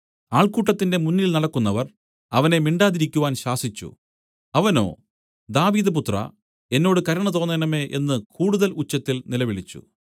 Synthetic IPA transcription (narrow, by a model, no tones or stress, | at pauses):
aːɭkuːʈːɐt̪ːinde̞munːilnɐɽɐkːunːɐʋɐr | ɐʋɐne̞miɳɖaːðiɾikʲːuʋaːnɕaːsit͡ɕːṵ | ɐʋɐno̞̰ː | d̪aːʋiːðɐp̬ut̪rɐ̰ | e̞nːo̞ːɽɨkɐɾɐɳɐt̪̬o̞ːnːɐnɐme̞ːʔe̞nːɨkʰuːɽuðɐlut͡ɕːɐt̪ːilnilɐʋiɭit͡ɕːṵ